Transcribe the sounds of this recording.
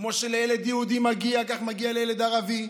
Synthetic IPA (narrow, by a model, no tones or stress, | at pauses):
kmo̞ʃelejeled̪jiud̪imaɡiakaχmaɡialejeled̪aʁavi